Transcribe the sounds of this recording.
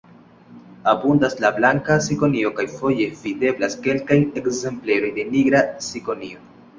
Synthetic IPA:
abundaslablaŋkasiko̞nio̞kajfo̞je̞vide̞blaske̞lkaje̞kze̞mple̞ɾo̞jde̞niɡɾasiko̞nio̞

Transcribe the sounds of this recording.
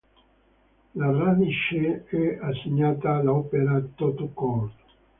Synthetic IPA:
laraniʃeɛasːiɲːaːt̪aːlaɔpeɾat̪ot̪okɔrt̪

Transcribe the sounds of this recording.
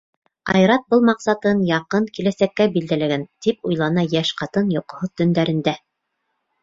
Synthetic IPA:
ɑ̰jɾɑt̪̚bɤlˠmɑqsɑt̪ɤnjɑqɤŋkilæsækːæbild̪ælæɡænt̪ipujlˠɑnɑjæʃqɑt̪ɤnjoqŏhot̪ɵ̆nd̪æɾɘ̆nd̪æ

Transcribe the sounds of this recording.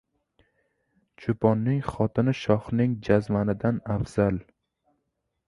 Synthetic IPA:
t͡ʃʰʊpʰɒnːɪŋχɒt̪ʰɪnɪʃɒχnɪŋd͡ʒazmanɪd̪anafz̥al

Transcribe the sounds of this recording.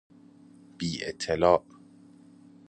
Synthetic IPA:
b̥iːʔḛt̪ʰːelɒːʔ

